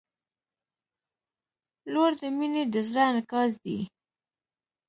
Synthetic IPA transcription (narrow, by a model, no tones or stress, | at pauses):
loɾd̪əmined̪əzɾankɑzd̪i